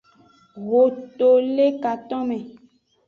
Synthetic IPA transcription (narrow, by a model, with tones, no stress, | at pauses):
ɣo˨to˨le˦ka˨t̪ɔ̃˦mɛ̃˨